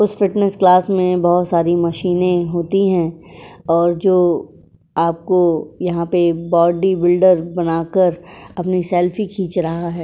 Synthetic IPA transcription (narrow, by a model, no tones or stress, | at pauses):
ʊsfɪʈnəsklaːsmẽbɐɦʊt̪saːɾimɐʃiːnẽɦoːt̪iɦɛ̃ːɔːɾd͡ʒoː | aːp̚kojɐɦãpebɔːɖibɪlɖəɾbɐnaːkəɾɐpnisɛːlfikʰiːt͡ʃɾɐɦaɦɛː